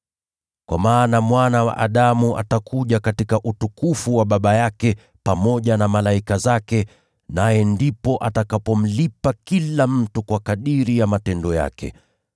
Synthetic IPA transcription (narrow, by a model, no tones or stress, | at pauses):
kwa̰maːnamwanawa̰ʔaɗamuʔa̰takʰuʄakatikaʔutukufuwaɓaɓajakɛ | pamɔʄanamalaikazakɛ | najɛndipɔʔatakapɔm̩lipakilam̩tukwakaɗiɾijamatɛndɔja̰kɛ̰